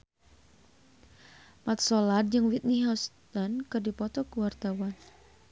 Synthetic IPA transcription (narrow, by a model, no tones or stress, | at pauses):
mat̪̚sɔlad̚d͡ʒɨŋwit̪̚niɦɔst̪ɔnkɨrdipɔt̪ɔkuwart̪awan